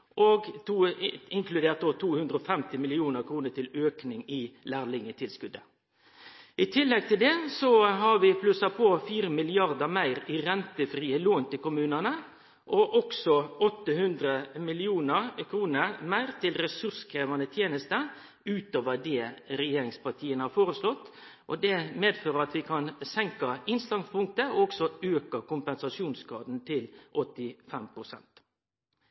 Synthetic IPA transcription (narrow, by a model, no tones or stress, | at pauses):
ʔɔɡt̪ʰuːɪŋklʉd̪eːʁt̪̚d̪oːt̪ʰuːhʉnd̪ɾəɔfɛmt̪ɪmɪlɪuːnəkʰɾuːnəʈ̪ʰɪløːknɪŋɪlæːɾlɪŋət̪ʰɪlskʉd̪ə | ɪt̪ʰɪlːɛɡ̚t̪ʰɪld̪ɛsɔɦɑɾʋɪpʰlʉsɑpʰoːfiːɾəmɪlɪɑɾd̪əmæɪɾɪɾɛnt̪əfɾiːəloːnt̪ɪlkʊmʉːnənə | ʔɔʔɔksɔɔt̪ːəhʉnd̪ɾəmɪlɪuːnəkʰɾuːnəmæɪʁt̪ʰɪlɾɛsʉɾskʰɾeːʋɑnət̪ʰjeːnəst̪ə | ʉːt̪oːʋəd̪ɛɾɛjeːɾɪŋspɑt̪ʰiːənəhɑːɾfoːɾəslɔt̪ː | ʔɔ̰d̪ɛmeːd̪føːɾəɾɑt̪ʋɪkʰɑnsɛŋkɑɪnst̪ɑŋspʊŋkt̪əɔɔksɔøːkəkʊmpɛnsɑsuːnskɑːd̪nt̪ʰɪlʔɔt̪ːɪfɛmpʰɾʊsɛ̰nt̪